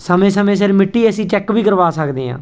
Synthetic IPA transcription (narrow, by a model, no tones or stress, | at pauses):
səmẽːsəmẽːsɪɾmɪʈːiːəsĩːt͡ʃɛːkʋiːkəɾʋaːsəkd̪ḛːã̰ː